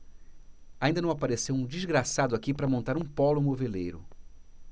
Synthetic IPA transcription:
aĩd̪ɐnɐ̃w̃apaɾesewũd͡ʒizɡɾasad̪ʊakipɾɐmõnt̪aɾũpɔlʊmovelejɾʊ

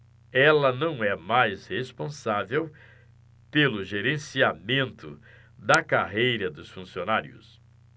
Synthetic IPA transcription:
ɛlɐnɐ̃w̃ɛmajshespõsavew | pelʊʒeɾẽsiamẽnt̪ʊ | d̪ɐkaɦejɾɐd̪ʊsfũsionaɾiʊ̰s

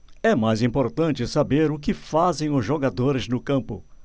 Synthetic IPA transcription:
ɛmajzĩpoɾt̪ɐ̃t͡ʃɪsabeɾʊkɪfazẽj̃ʊzʒoɡad̪oɾɪznʊkɐ̃mpʊ̰

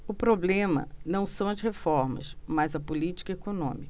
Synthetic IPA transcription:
ʊpɾoblẽmɐ̰nɐ̃w̃sɐ̃w̃ɐzhefɔɾmɐ̰smajzɐpʊlit͡ʃi̥kɐekonõ̰mikɐ

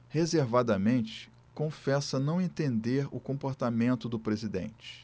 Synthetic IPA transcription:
hezeɾvad̪ɐmẽnt͡ʃɪ̥ | kõfɛsɐnɐ̃w̃ẽt̪ẽnd̪eɾʊ̰kõpoɾt̪amẽnt̪ʊd̪ʊpɾezid̪ḛ̃t͡ʃɪ̥

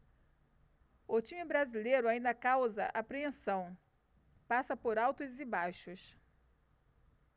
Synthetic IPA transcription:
ʊt͡ʃĩmɪbɾazilejɾʊaĩnd̪ɐkawzɐ̰ʔapɾeẽsɐ̃w̃ | pasɐpoɾawt̪ʊzɪbajʃʊs

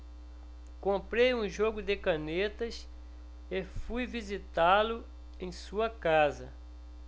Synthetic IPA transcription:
kõpɾejũʒoɡʊd̪ɪkɐ̃net̪ɐs | efujvizit̪alʊ | ẽj̃suɐkazɐ̰

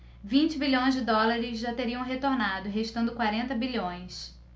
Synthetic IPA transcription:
vĩnt͡ʃɪbiʎõj̃zd͡ʒɪd̪ɔlaɾɪzʒat̪eɾiɐ̃w̃ɦet̪oɾnad̪ʊɦeiʃt̪ɐ̃nd̪ʊkwaɾẽnt̪ɐbiʎõj̃s

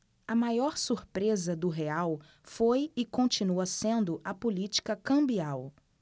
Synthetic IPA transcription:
ɐmajɔɾsuɾpɾezɐd̪ʊɦeaw | fojɪkõnt͡ʃinuɐsẽnd̪ʊʔɐpolit͡ʃi̥kɐkɐ̃mbiaw

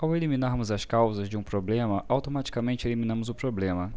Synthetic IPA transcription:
awelimĩnaɾmʊzɐskawzɐzd͡ʒɪũpɾoblẽmɐʔawt̪omat͡ʃi̥kamẽnt͡ʃɪeliminɐ̃mʊzʊpɾoblẽmɐ

